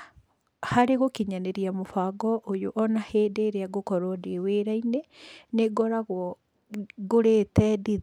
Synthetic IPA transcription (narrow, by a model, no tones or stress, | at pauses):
haɾeɣokiɲaneɾiamofaɡɔʔojoʔɔnaheːdeːɾeaɡokɔɾodeweːɾaineneɡɔɾaɣɔ | ɡoɾeːtɛdi